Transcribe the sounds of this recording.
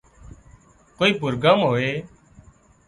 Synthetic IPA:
koːiːp̬ʊɾɡəmɦoːeː

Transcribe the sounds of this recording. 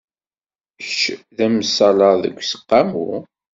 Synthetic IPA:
ʃðæmsɑlɑðə̰kʷːsə̥qːamṵ

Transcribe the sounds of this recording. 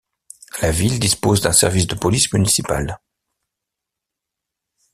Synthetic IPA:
lavild̪ispozd̪ɛ̃sɛ̰ʁvisd̪əpɔlismynisipa̰l

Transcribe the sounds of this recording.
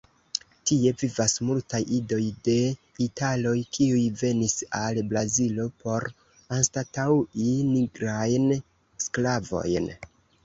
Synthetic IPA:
tie̞vivasmultajido̞jde̞ | italo̞jkʰiujve̞nisalbɾazilo̞po̞ɾ | anstatawiniɡɾajn | sklavo̞̰jn

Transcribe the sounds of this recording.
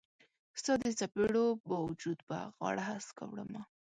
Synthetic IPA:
st̪ɑd̪əsapeɽobɑwd͡ʒud̪ba̰ɣɑ̰ɽaɦaska̰wɽə̰ma

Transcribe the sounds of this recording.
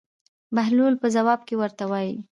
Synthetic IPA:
maɦlulpəzawɑb̚kewəɾt̪awɑji

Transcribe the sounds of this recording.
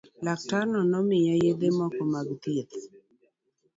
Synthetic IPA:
lak̚taɾnɔnɔmɪjɛjed̪emɔkɔmaɡt̪it̪

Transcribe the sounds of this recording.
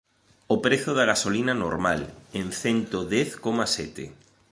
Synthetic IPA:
opɾeθʊðaɣasolinano̰ɾmalenθɛnt̪oðeθkomasɛt̪ḛ

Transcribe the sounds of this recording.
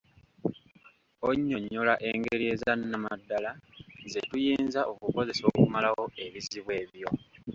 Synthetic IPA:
oɲːo̞ɲːolaʔe̞ŋɡeɾie̞zanːamadːalaze̞tujiːnzaʔo̞kuko̞ze̞so̞ːkumalawo̞e̞βiziβwe̞ːβjo̞

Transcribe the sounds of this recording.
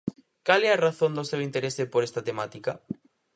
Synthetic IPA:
kalɛaraθõnd̪osewint̪eɾesepoɾest̪ɐt̪emat̪ika

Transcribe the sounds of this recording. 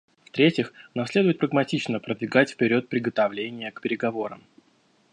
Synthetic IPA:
ft̪ɾʲetʲɪxnamslʲed̪ʊvɪt̪̚pɾəɡmɐtʲit͡ɕnəpɾəd̪vʲɪɡatʲfʲpʲɪɾʲo̞t̪̚pɾʲɪɡət̪ɐvlʲenʲɪjəkpʲɪɾʲɪɡɐvo̞ɾə̰m

